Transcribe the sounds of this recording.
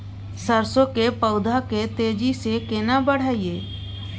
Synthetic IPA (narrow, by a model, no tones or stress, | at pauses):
səɾsõkepəʊd̪ʱaket̪eːd͡ʒisekɪnabəɽ̤aːieː